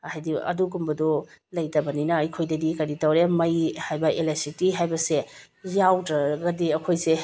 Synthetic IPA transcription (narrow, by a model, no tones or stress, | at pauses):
hajdiɐ̰duɡumbɐdɔlɐjtɐbɐninɐɐjkʰojdɐdikɐɾitɐwɾemɐjhajbɐelesitiɦajbɐse | jawtɾɐɡɐdiɐkʰojse